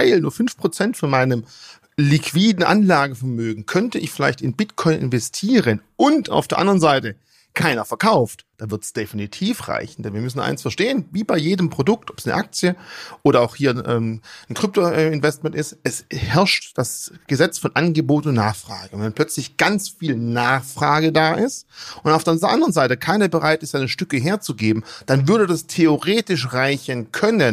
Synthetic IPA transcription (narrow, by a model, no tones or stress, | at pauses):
aɪlnuːɐfʏnfpʁ̥ot͡sɛntfɔnmaɪnəm | likʰv̥iːdn̩ʔa̰nlaːɡəfɛɐmøːɡŋ̩kʰœntəʔɪçfɪlaɪçtɪnbɪtkʰɔʏnʔɪ̰nvɛstʰiːʁənʔʊnta̰ʊfd̥eːɐʔa̰ndʁənzaɪtə | kʰaɪnɐfɛɐkʰaʊftd̥aːvɪɐtsd̥efinitʰiːfʁa̰ɪçn̩dɛnviːɐmʏsn̩ʔa̰ɪnsfɛɐʃteːənviːbaɪjeːdəmpʁ̥odʊktɔpsnə̰ʔak̚t͡sjəʔoːɾɐaʊxhiːɐʔɛ̰ːmnkʁ̥ʏp̚toʔɛmɪnvɛstmɛntɪstɛshɛɐʃtd̥asɡ̥əzɛt͡sfɔnʔanɡəboːtʊntna̰ːχfʁ̥a̰ːɡəʊnvɛnpʰl̥œt͡slɪçɡ̥ant͡sfiːlnaːχfʁ̥aːɡədaːʔɪstʔʊntaʊfdeɐʊdeːɐʔandəʁənzaɪtəkʰaɪnɐbəʁaɪtɪstzaɪnəʃtʏkəɦeːɐt͡suɡeːbm̩d̥anvʏɐdədastʰeoʁeːtɪʃʁaɪçənkʰœnən